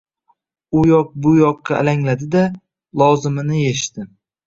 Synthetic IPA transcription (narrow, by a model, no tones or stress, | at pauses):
ʊjɒq̚bʊjɒqːɑa̰laŋlad̪ɪd̪a | lˠɒzɪmɪnɪjeʃt̪ɪ